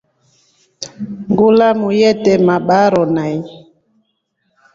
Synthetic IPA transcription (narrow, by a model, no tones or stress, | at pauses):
ŋɡolamujɛtɛmaɓaɾɔnaj